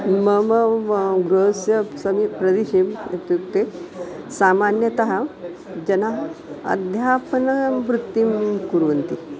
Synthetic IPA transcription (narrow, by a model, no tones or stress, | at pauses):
məməɡɾusjɐsɐmipɾɐd̪iʃemet̪juk̚t̪e | samanjɐt̪ɐɦa | d͡ʑɐnaɦɐ̰d̪ʱjapɐnɐʋɾut̪ːimkuɾunt̪i